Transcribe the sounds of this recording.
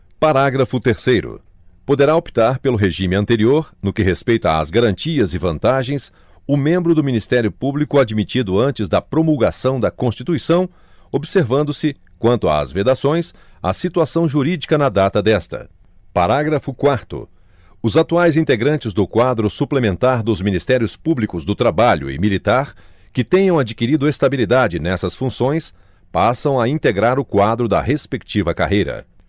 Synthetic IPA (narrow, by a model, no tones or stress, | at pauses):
paɾaɡɾɐfʊt̪eɾsejɾʊ̰ | pod̪eɾaopi̥t̪aɾpelʊɦeʒĩmɪɐ̃nt̪eɾioɾnʊkɪɦespejt̪ɐa̰ːzɡaɾɐ̃nt͡ʃiɐzɪvɐ̃nt̪aʒẽj̃s | ʊmẽmbɾʊd̪ʊminist̪ɛɾjʊpublikʊad͡ʒimit͡ʃid̪ʊɐ̃nt͡ʃɪzd̪ɐpɾomuwɡasɐ̃w̃d̪ɐkõst͡ʃit̪uisɐ̃w̃ | obiseɾvɐ̃nd̪ʊsɪ | kwɐ̃nt̪ʊa̰ːzved̪asõj̃s | a̰sit̪uasɐ̃w̃ʒuɾid͡ʒikɐnɐd̪at̪ɐd̪ɛst̪ɐ̰ | paɾaɡɾɐfʊkwaɾt̪ʊ̰ | ʊzat̪uajzĩnt̪eɡɾɐ̃nt͡ʃɪzd̪ʊkwad̪ɾʊsuplemẽnt̪aɾd̪ʊzmĩnist̪ɛɾjʊspublikʊzd̪ʊt̪ɾabaʎʊ̰ɪ̰milit̪aɾ | kɪt̪ẽjɐ̃w̃ad͡ʒikiɾid̪ʊest̪abilid̪ad͡ʒɪnɛsɐsfũsõj̃s | pasɐ̃w̃ɐĩnt̪eɡɾaɾʊkwad̪ɾʊd̪ɐ̰ɦespekt͡ʃivɐka̰ɦejɾɐ̰